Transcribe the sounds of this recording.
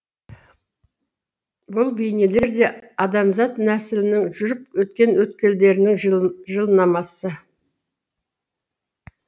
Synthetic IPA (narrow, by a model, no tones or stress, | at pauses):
bʊlˠbejnele̞ɾd̪e̞ɑd̪ɑmzɑt̪næsɪlɪnɪŋʒʏɾɪpwɵt̪̚kʲe̞nwɵt̪̚kʲe̞ld̪e̞ɾɪnɪŋʒəlˠnɑmɑsə